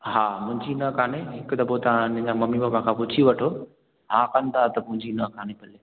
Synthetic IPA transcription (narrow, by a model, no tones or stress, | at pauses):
ɦaːmʊ̃ɦɪ̃ɲd͡ʑinɐkʰaːneɦɪkd̪ɐpot̪ɐʋ̤ãñd͡ʑãmɐmimãmãkʰãːpʊt͡ɕʰiʋɐʈʰo | ɦaːkɐ̃nd̪at̪ɐmʊ̃ɦɪ̃ɲd͡ʑinɐkʰaːnepɐle